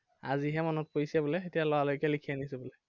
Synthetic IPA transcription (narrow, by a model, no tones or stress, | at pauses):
a̰ziɦɛmɔnɔt̚koisɛbolɛxetijalɔwalojkɛlikʰijanisɛbolɛ